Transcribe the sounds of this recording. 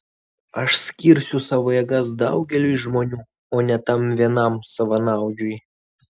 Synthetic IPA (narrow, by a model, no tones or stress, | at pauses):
ɐʃsʲkʲiɾʲsʲʊsɑːʋoːjɛɡɐs̬d̪ɐʊɡʲɛlʲujʒmoːnʲuː | oːnʲɛt̪ɐmʋʲiɛnɐmsɐʋɐnɑˑʊd͡ʒʲʊj